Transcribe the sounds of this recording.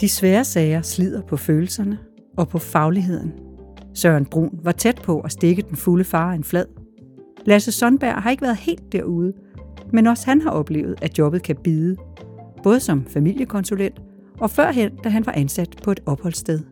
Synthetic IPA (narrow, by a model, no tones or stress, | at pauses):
d̥isʋæːɐsɛːɪɐslið̞̰ˠɐpʰɒ̽føːl̩sɐnə | ɒ̽pʰɒ̽fɑ̈ʊliɦe̝ð̞̰ˠn̩sɶɐnb̥ʁṵːnʋɑ̈t͡sʰed̥̚pʰɒ̽ʔæsd̥e̝ɡ̥əd̥enfuləfɑ̈ːenflɛð̰ˠ | læsəsɒ̽nb̥æɐ̰ɦɑ̈e̝ɡ̥əʋæːɐðˠhe̝̰ːld̥ːæɐuð̞ˠə | menɒ̽shænɦɑ̈ʔɒ̽b̥le̝̰ːʊð̩ˠæ̥jɒ̽b̥ð̩ˠkʰæb̥iːðˠəb̥ɔ̽ːð̞ˠəsɒ̽mfæmil̰jəkʰɒ̽nsulen̰d̥ | ɒ̽fɶɐ̰ɦen̰d̥æɦænʋɑ̈ʔænsæd̥pʰɒ̽e̝d̥ɒ̽b̥hɒ̽l̰sd̥eð̞ˠ